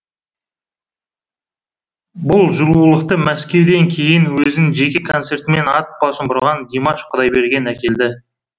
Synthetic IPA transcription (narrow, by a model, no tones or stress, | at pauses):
bʊlˠʒʊlˠuəlˠəq̚t̪əmæskʲe̞wd̪e̞ŋkʲʰe̞jɪnwɵzɪʒe̞kʲe̞kʰo̞nse̞ɾt̪me̞nɑt̪̚b̥ɑsəmbʊɾʁɑnɡ̪ʲimɑʃqʰʊd̪ɑjbe̞ɾɡʲe̞nækʲe̞ld̪ɪ